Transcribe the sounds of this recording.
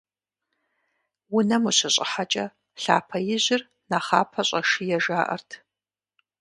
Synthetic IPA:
wʊnɐmuɕɐɕʼɪ̰ħat͡ʃʼɐ | ɬa̰ːpʰɐjɪʑɪr | naːχaːpʰɐɕʼɐʂijɛʒaːʔɐ̰rtʰ

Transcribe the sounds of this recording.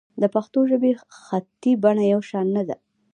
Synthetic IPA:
d̪əpaxt̪oʒəbexat̪ibaɳajawʃɑnːad̪a̰

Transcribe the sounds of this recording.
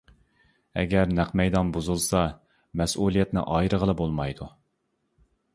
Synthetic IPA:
ɛ̰ɡʲɛɾnæqmɛjd̪ɑnbuzulˠsɑ | mɛsulˠijɛt̪nɪ̰ʔɑjɾəʁəlˠɨbolˠmɑjd̪u

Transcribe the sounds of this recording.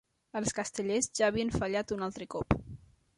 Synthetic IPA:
əlˠskəst̪əʎezʒaːβiənfəʎat̪unalˠt̪ɾəkɔp

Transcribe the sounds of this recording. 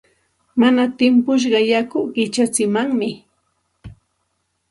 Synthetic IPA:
manat̪ɪmpʊʃ̬ɢɑjakʊɢɪt͡ʃat͡sɪmaŋmɪ

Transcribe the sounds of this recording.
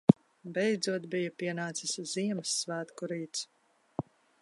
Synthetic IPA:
bɛjd̪zuɔt̪bijɐpiɛnaːt̪sɨsziɛmɨsːvæːt̪kuɾiːt̪s

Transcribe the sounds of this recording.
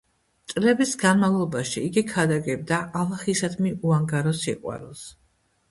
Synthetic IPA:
t̪sʼlɛbisɡanmalˠɔbaʃiːɡikʰad̪aɡɛb̚d̪aʔalaχisad̪miuaŋɡaɾɔsiqʼwa̰ɾɛlˠs

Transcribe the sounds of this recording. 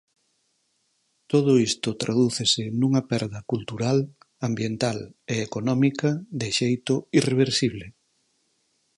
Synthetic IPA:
t̪oð̞ʊist̪ʊt̪ɾʔaðuθɪsɪnuŋɐpɛɾðɐkult̪uɾal | ambjent̪aleːkonɔmikɐðɪʃejt̪ʊireβ̞eɾsiβ̞lɪ

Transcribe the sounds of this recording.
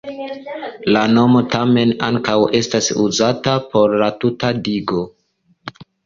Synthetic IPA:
lano̞mo̞tame̞naŋkawe̞stasuzatapo̞ɾlatutadiɡo̞

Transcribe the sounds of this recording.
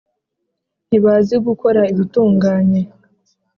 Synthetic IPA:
n̥iβaziɡuko̞ɾaiβituːŋɡaːɲe̞

